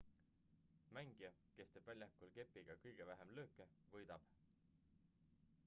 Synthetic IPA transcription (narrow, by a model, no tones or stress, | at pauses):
mæŋɡ̥iɑke̞st̪eb̥vælʲjɑkulke̞pːˑiɡ̥ɑkɤjɡ̥e̞væɦemlø̞ːkːˑevɤjd̪̥ɑb̥